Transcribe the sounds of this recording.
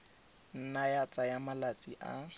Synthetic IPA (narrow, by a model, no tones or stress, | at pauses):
n̩najat͡sʼajamalat͡sʼiʔa̰